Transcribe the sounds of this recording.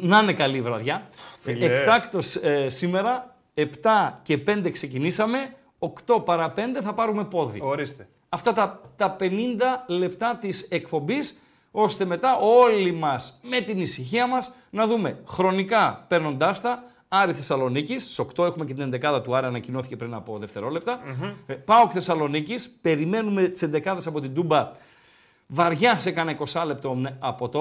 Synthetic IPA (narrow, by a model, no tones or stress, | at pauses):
nɐne̞kɐlivɾɐðʝɐlet̪ɐkt̪o̞ssime̞ɾɐ | e̞pt̪ɐce̞pe̞nd̪e̞kse̞cinisɐme̞ | o̞kt̪o̞pɐɾɐpe̞nd̪e̞θɐpɐɾume̞po̞ðḭoɾist̪e | ɐft̪ɐt̪ɐt̪ɐpe̞nind̪ɐle̞pt̪ɐt̪ise̞k̚po̞mbis | o̞st̪e̞me̞t̪ɐo̞limɐsme̞t̪inisiçiɐmɐs | nɐðume̞xɾo̞nikɐpe̞ɾno̞nd̪ɐst̪ɐ | ɐɾiθe̞sɐlo̞nicisso̞kt̪o̞e̞xume̞ce̞t̪ine̞nd̪e̞kɐðɐt̪uɐɾɐnɐcino̞θice̞pɾinɐpo̞ðe̞ft̪eɾo̞le̞p̚t̪ɐpɐokθe̞sɐlo̞nicispe̞ɾime̞nume̞t̪i̥se̞nd̪e̞kɐðesɐpo̞t̪ind̪umbɐ | vɐɾʝɐsekɐnɐiko̞sɐle̞p̚t̪oɐpo̞t̪o